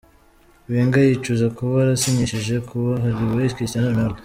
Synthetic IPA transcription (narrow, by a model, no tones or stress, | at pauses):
βeːŋɡajit͡ʃuzakuβaɾasiɲeʃeʒe̞kʰuβaɦaɾiβajiʃkianamaɾɡo